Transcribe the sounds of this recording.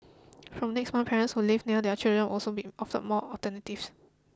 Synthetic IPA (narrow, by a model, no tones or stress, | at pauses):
fɹɔ̃mnɛksmãnpʰɛɹə̃nshulivniədɛət͡ʃildɹə̃nʔɔlsobiʔɔftə̰mɔɔtənətifs